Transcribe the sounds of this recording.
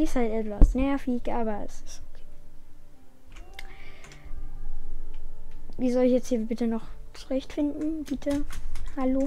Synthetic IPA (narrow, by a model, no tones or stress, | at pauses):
ɪshaltɛtv̥asnajaːfiːlɡ̥aːbaɪ̰sɪ̥sokʰe̥ː | viːzɔlɪçjɛt͡sthiːɐbɪtənɔχt͡suʁɛçtfɪndn̩bɪtʰəhaloː